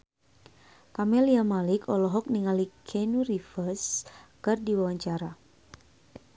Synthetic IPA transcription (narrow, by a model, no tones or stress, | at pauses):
kamɛliamalɪkʰɔlɔɦɔk̚niŋalikʰɛnurifərskɨrdiwawaɲt͡ʃaɾa